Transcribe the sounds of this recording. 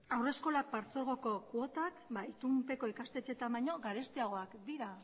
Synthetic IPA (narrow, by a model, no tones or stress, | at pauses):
awre̞sko̞lak̚paɾt͡so̞ɾɣ̞o̞ko̞kuot̪akbait̪umpe̞ko̞ikast̪e̞t͡ʃe̞t̪ambajɲo̞ɣaɾe̞st̪eaɣo̞akd̪iɾa